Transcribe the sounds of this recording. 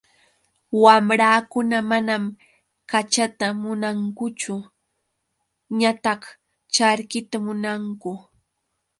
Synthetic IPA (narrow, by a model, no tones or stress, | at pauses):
wamɾaːkʊnamanam | kat͡ʃat̪amʊnaŋkʊt͡ʃʊ | ɲat̪ɑχ | t͡ʃaɾkɪt̪amʊnaŋkʊ